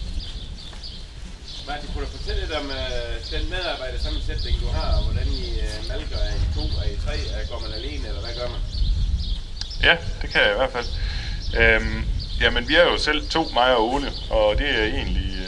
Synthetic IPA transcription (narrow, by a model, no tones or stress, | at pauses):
mæd̥ikʰuɾ̥ufɒ̽t͡sʰel̰əled̥ɒ̽mød̥enmeðˠɑ̈ːb̥ɑ̈ɪ̰d̥əsɑ̈məsed̥̚b̥eɡ̥d̥uɦɑ̈ʋɒd̥ænimælɡ̥ɐæɐit͡sʰo̝̰ːæit͡sʰʁɛ̰ːɡ̥ɒ̰ːmænæle̝̰ːnəelɐʋæɡ̥ɶɐ̰mæn | jæd̥e̝kʰæjɑ̈iʋæɐ̰̥fæl̰ʔøjæmenʋiæɐjo̝sel̰t͡sʰo̝̰ːmɑ̈ɪɐoːnə | ɒ̽d̥e̝æje̝̰ːnli